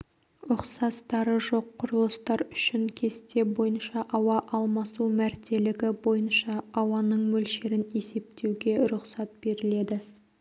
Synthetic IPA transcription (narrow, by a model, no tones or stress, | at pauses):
ʊqsɑst̪ɑɾəʒo̞qʰːʊɾəlˠəst̪ɑɾʏ̥ʃɪŋkʲʰe̞st̪e̞bo̞jənʃɑʔɑwɑʔɑlˠmɑsumæɾt̪ʰe̞lɪɡʲɪbo̞jənʃɑɑwɑnəɴmɵlʃeɾɪne̞se̞p̚t̪ʰe̞wɡʲe̞ɾʊqsɑt̪̚b̥e̞ɾɪle̞d̪ɪ